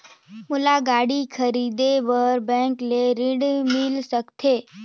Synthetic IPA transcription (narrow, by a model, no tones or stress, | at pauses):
mʊlaɡaːɽikʰəɾiːd̪eʋəɾbɛ̃ːŋkleɾɪɽmɪlsəkt̪ʰeː